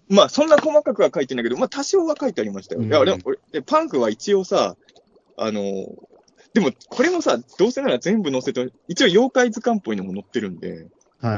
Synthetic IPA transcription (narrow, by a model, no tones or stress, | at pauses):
masõ̞nːako̞makakɯ̟ɡakait̪e̞nakeo̞mat̪aɕio̞ːβakait̪e̞aɾʲimaɕi̥t̪a̰jo̰jaɾeoɾed̪epãɰ̃ɸɯ̟β̞ait͡ɕioːsa̰ | a̰no̞̰ | d̪̥e̞mo̞kʰo̞ɾe̞mo̞sad̪̥o̞ːse̞naɾazẽ̞mbɯ̟no̞se̞t̪eit͡ɕio̞jo̞ːkaizɨkãmpo̞ino̞mo̞no̞t̪ːe̞ɾɯ̟̃nd̪e̞̰